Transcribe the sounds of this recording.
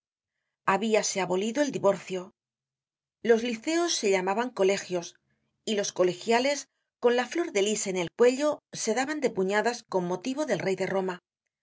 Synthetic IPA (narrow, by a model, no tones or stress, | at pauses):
aβiase̞aβo̞liðo̞e̞ld̪iβo̞ɾθjo̞ | lo̞zliθe̞osːe̞ʎamaβaŋko̞le̞xjo̞s | ilo̞sko̞le̞xjale̞s | ko̞nlaflo̞ɾðe̞liseːne̞lkwe̞ʎo̞se̞ðaβand̪e̞puɲaðasko̞mːo̞t̪iβo̞ðe̞lre̞jðe̞ro̞ma